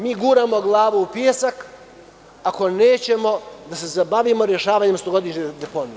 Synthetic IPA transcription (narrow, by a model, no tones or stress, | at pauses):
miːɡuːɾaːmo̞ɡlˠaːʋuupjesak | ako̞ne̞ːt͡ɕe̞mo̞d̪ase̞zabaʋimo̞ɾje̞ʃaːʋaːɲe̞mst̪oɡo̞d̪iʃɲed̪epo̞nie